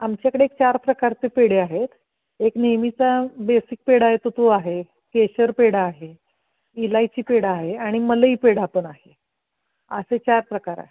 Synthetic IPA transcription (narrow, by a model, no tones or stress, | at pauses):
amt͡ɕjakəɽeek̚t͡ɕaɾpɾəkaɾt͡sepeɽeaɦet̪ | eknemit͡sabesik̚peɽaɦet̪ot̪oaɦe | keɕəɾpeɽaːɦe | ilajt͡ɕiːpeɽaɦeaɽ̃iməliːpeɽapəɳaɦe | əset͡ɕaɾpɾəkaɾa̰ɦe